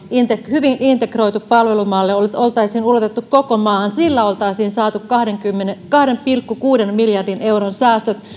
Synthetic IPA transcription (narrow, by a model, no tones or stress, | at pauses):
int̪ekhyʋinʔint̪ekro̞it̪uppɑlʋelumɑlːeololt̪ɑisiːnulot̪et̪ːukkokomɑːnsilːæolt̪ɑisiːnsɑːt̪ukkɑhdeŋkymːenekɑhɾempilkːukuːdenmiljɑrdineuronsæːst̪øt̪